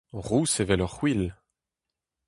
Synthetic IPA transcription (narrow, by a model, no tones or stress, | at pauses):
ʁusevɛlœʁwil